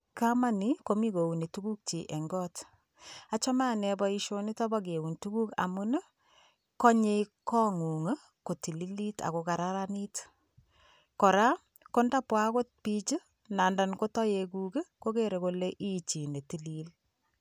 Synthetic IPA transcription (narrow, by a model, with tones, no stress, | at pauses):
kama˦niko˦mikou˨ni˨tu˦ku˦k̚t͡ʃi˨ʔɛ˨ŋɡɔt | a˨t͡ʃɔ˦ma˦nɛbɔiʃoni˦tɔ˦ba˦ɡ̬e˨u˨ntuku˦ka̰˨mu˦nə˦ | kɔ˦ɲe˦kɔ˦ŋu˨ŋ˦ | ko˨ti˨li˦li˦ta̰˨koka˨ɾaɾani˦t | kɔ˨ɾa˦ | ko˦nda˦pwa˦ko˦t̚pit͡ʃi˦ | na˨nda˨nko˦tɔ˦jekukko˦keɾekoleʔi˦t͡ʃi˨ne˨ti˨lil